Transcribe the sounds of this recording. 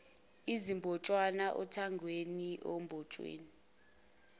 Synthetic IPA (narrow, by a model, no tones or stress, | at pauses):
izimbʱɔt͡ʃʼwanaʔɔtʰaŋɡʱweniʔɔmbʱɔt͡ʃʼwḛːni